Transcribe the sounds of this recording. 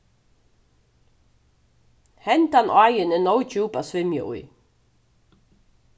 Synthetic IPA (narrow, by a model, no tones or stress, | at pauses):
hɛnt̪anʔaːjɪnɪnowt͡ɕuːpasvɪmjʏ̰ʔʊ̰j